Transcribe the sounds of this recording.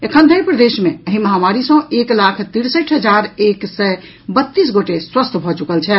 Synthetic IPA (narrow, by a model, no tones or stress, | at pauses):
ekʰə̃nd̪ʱəjpɾəd̪esmeəɦĩməɦamaɾisə̃eklakʰt̪iɽsəʈʰɦəd͡ʒaɾeksɛ | bət̪ːis̬ɡoʈeswəst̪ʰbʱɔt͡ʃukəlt͡ʃʰɛ